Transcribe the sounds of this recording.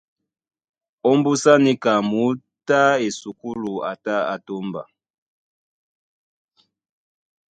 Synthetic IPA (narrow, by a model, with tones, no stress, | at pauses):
ɔ˦mbu˦sa˦ni˦ka˨mu˨˦ | ta˦e˨su˨ku˦lu˨a̰˨ta˦a̰˨to˦mba̰˨